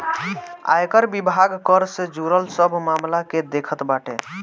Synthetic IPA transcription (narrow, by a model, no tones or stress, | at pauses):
a̰jkəɾbibʱaɡkəɾsed͡ʒuɾəlsəbʱmamlaked̪ekʰət̪baʈḛ